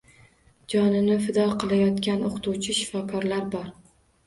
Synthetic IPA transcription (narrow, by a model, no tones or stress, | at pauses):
d͡ʒɒnɪnɪfɪd̪ɒlˠqɨlˠajɒt̪kʲanoqt̪uwt͡ʃʰɪʃɪ̥fɒkʰɒɾlaɾbɒɾ